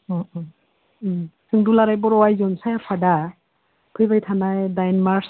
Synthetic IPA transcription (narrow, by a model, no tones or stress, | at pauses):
ɔɔ | sʰɯŋdulaɾajbɔɾɔwajzɔnsajapʰada | pʰɯjbajtʰanajdajnmaɹs